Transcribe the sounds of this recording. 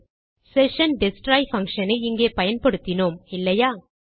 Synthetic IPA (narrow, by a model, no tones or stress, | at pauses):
sɛʂɐnɖɪsʈɾaːjfɐŋkʂɐnɐɪɪŋɡeːpɐjɐnpɐɽɯt̪ːɪnoːmɪlːɐjaː